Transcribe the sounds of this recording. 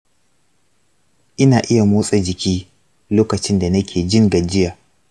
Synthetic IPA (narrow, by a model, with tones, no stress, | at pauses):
ʔɪ˦naː˨ʔɪ˦ja˨moː˦sʼa˨d͡ʒɪ˨kʲiː˦ | loː˦kɐ˨t͡ʃɪ˦nda˨nɐ˦kʲʰeː˨d͡ʒɪ˦ŋɡɐ˨d͡ʒɪ˦jaː˨